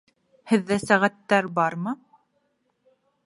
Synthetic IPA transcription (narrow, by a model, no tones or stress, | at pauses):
hɘ̆ðːæsæʁæt̪ːæɾbɑɾmɤ